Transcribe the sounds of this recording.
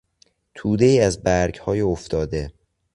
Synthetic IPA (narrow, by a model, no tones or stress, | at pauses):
t̪ʰuːd̪e̞iːæzbæɾɟhɒːjioft̪ɒːd̪e̞